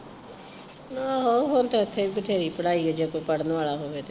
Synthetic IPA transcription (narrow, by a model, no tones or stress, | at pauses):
naːɦoːɦont̪eət̪ʰːeːibəʈʰeːɾiːpəɽaːiːɦoːd͡ʒeːkoipəɽnʋaːlaːɦoːʋeːt̪e